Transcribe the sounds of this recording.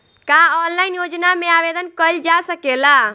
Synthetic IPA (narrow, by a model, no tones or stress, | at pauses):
kaɔnlaɪnjod͡ʒnamẽaʋed̪ənkəld͡ʒasəkela